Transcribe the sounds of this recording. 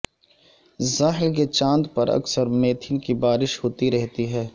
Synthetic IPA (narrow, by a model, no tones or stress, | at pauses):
zaːɦɪlk̬et͡ʃãːnd̪pɐɾɐ̰ksəɾmeːt̪ʰɪnkibaːɾɪʃɦoːt̪iɾɛɦt̪iɦɛː